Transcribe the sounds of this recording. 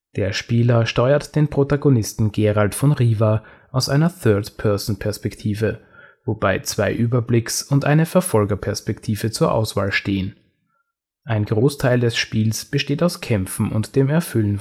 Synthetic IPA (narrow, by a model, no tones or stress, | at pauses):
d̥eːɐʃpiːlɐʃtɔʏɐtd̥eːnpʁ̥otaɡonɪstn̩ɡeːʁaltfɔnʁiːva | ʔaʊsʔaɪnɐθœɐtpʰɛɐsn̩pʰɛɐspɛktʰiːvə | vobaɪt͡sv̥aɪʔyːbɐblɪksʊntʔa̰ɪnəfɛɐfɔlɡɐpʰɛɐspɛktʰiːvət͡suːɐʔa̰ʊsv̥a̰ːlʃteːən | ʔaɪnɡʁoːstʰaɪldɛsʃpiːlsb̥əʃteːtaʊskʰɛmfn̩ʊ̰ntd̥eːmɛɐfʏlən